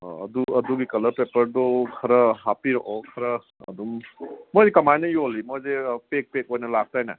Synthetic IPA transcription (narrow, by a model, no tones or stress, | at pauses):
ɐ̰duɐduɡikɐlɐɾpepəɾdɔkʰɐɾɐɦapiɾɔ̰ʔɔkʰɐɾɐ̰ː | dumːojzekɐmajnɐjolimojzepek̚pek̚ojnɐlak̚tajna̰